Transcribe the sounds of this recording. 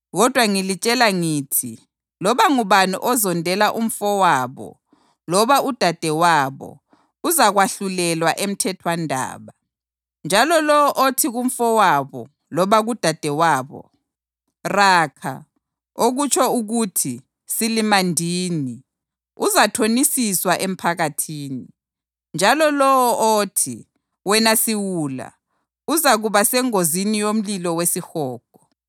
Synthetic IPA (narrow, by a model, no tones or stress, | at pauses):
ɣɔd̥ʱwaŋilit͡ʃʼɛlaŋiːtʰi | lɔβaŋuβanṵʔɔzɔndʱɛlaʔum̩fɔwaːβɔ̰ | lɔβaʔud̥ʱad̥ʱɛwaβɔ̰ | uzaɣwaɬulɛlwaʔem̩tʰɛtʰwandʱa̰ːβa | nd͡ʒʱalɔlɔʔotʰiɣum̩fɔwaβɔ | lɔβaɣud̥ʱad̥ʱɛwaːβɔ̰ | rakʰa̰ | oɣut͡ʃʰɔuɣutʰi | silimandʱiːni | uzatʰonisiswaʔem̩pʰaɣatʰiːni | nd͡ʒʱalɔlɔwɔotʰi | wɛnasiwuːla̰ | uzaɣuβasɛŋozinijom̩lilɔwesixɔːɡ̥ʱɔ̥